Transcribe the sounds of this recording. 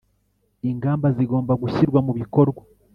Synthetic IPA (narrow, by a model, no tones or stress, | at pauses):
iŋɡaːmbaziɡo̞ːmbaɡuçiɾɡwamuβiko̞ɾɡwa